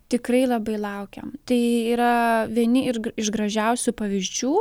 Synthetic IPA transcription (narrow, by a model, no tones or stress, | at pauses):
t̪ʲɪkɾɐɪlˠɐbɐɪlˠɐʊkʲɛ̰mt̪ɐɪiːɾɐʋʲiɛnʲɪɪɪʃɡɾɐʒʲɛʊsʲʊpɐʋʲɪzʲd͡ʒʲuː